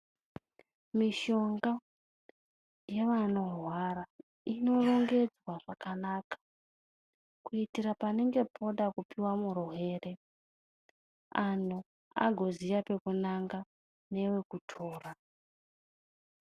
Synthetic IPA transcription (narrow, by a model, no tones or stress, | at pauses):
miʃo̞ŋɡa | je̞ʋano̞rwaɾa | ino̞ro̞ŋɡe̞d͡zwaʐakanakḁ | kuitiɾapane̞ŋɡe̞pʰo̞ɗakupiwamuruɦe̞ːre̞ | anu | a̰ɡʱo̞zijape̞kunaŋɡa | ne̞we̞kutʰo̞ːra